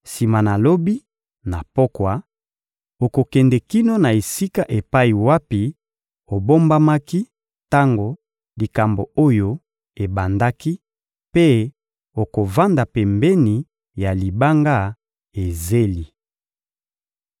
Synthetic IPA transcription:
si˨ma˨na˨lo˦bi˦ | na˨po˦kwa˦ | o˨ko˨kɛ˨ndɛ˨ki˦no˦na˨e˨si˦ka˦ʔe˨pa˦i˨wa˦pi˨ | o˨bo˦mba˦ma˦ki˦ | ta˦ŋɡo˨ | li˨ka˨mbo˨o˦jo˦ | e˨ba˨nda˦ki˦ | pe˦ | o˨ko˨va˦nda˨pɛ˨mbɛ˦ni˨ | ja˨li˨ba˦ŋɡa˦ | e˨ze˦li˨

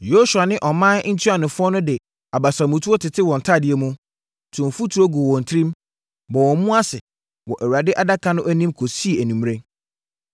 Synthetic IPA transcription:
jo˦su˨a˨nɪ̃˦ʔɔ˨mã˦n˦n̩˦tʰi˦a˨nʊ̃˨fʊ˦ɔ˦nʊ̃˦dɪ˨ | a˨ba˨sa˨mʊ̃˨tʰu˦o˦tʰɪ˨tʰɪ˦wɔ̃˨n̩˨tʰa˦˨dɪ˨ɛ˦mũ˦ | tʰũ˨m˨fu˦tʰu˨ɾo˦ɡu˨wɔ̃˨n̩˨tʰɾĩ˦m | bɔ˨wɔ̃˨˦mũ˦a˦sɪ˨ | wɔ˨ʔæ˨wu˨ɾa˨dɪ˦ʔa˨da˦kʰã˦nʊ̃˦ʔæ˦nĩ˦mkʰo˨si˦e˨æ˨nũ˨m˦ɾẽ˦

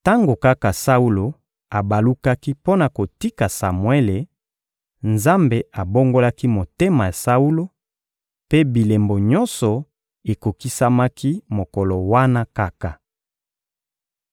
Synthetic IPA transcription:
ta˦ŋɡo˨ka˦ka˨sa˦u˦lo˨ | a˨ba˨lu˦ka˦ki˦po˦na˨ko˨ti˦ka˨sa˨mwe˦le˨ | nza˦mbe˨a˨bo˦ŋɡo˦la˦ki˦mo˨te˦ma˨ja˨sa˦u˦lo˦ | pe˦bi˨le˨mbo˨ɲɔ˦nsɔ˨ | e˨ko˨ki˦sa˦ma˦ki˦mo˨kɔ˨lɔ˨wa˦na˦ka˦ka˨

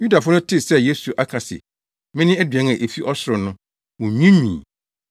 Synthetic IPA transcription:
ju˦da˨fʊ˦nʊ̃˦tʰɪ˦sɛ˦je˦su˨ʔa˦kʰa˨sɪ̰˨ | mɪ̃˦nɪ̃˦æ˦dɥɛ̃˨˦ŋã˨ʔe˨fi˦ʔɔ˦sʊ˨ɾʊ˨nʊ̃˦ | wɔ̃˨ɲĩ˦mḭ̃ː˨

